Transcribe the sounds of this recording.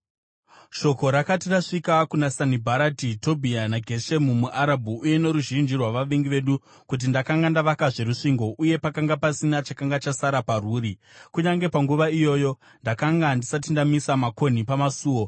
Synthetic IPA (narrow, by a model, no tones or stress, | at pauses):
ʃo̞ko̞ɾakatiraʂikakunasanibʱaɾatito̞bʱianaɡʱe̞ʃemumuʔaɾabʱuːje̞no̞ɾuʒind͡ʒirwaʋaʋiŋɡiʋe̞ɗu | kut̬indakaŋɡandaʋakaʐe̞ɾuʂiŋɡo̞ʔuje̞pakaŋɡapasinat͡ʃakaŋɡat͡ʃasaɾaparuːɾi | kuɲaŋɡe̞paŋɡuʋaijo̞ːjo̞ | ndakaŋɡandisatindamisamako̞nipamasuːwo̞